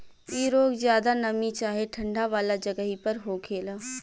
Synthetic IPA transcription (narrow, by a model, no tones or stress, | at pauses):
iːɾoːɡzjaːd̪anəmit͡ʃaːɦeʈʰə̃ɳɖʱaʋaːlad͡ʒəɡəɦipəɾɦokʰeːl